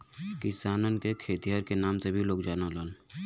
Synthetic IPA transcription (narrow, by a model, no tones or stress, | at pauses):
kɪsaːnənkekʰeːt̪ijaːɾkenaːmsebʱiloːɡd͡ʒaːnaləːn